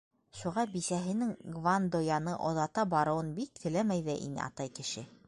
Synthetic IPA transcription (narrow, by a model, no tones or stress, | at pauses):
ʃuʁɑbisæɦɘ̆nɘŋɡvand̪ojɑnɤʔŏðɑt̪ɑbɑɾɤ̆wɤnbik̚kʰɘ̆læmæjðɘʔḭnɘ̰ʔɑ̰t̪ɑjkɘ̆ʃɘ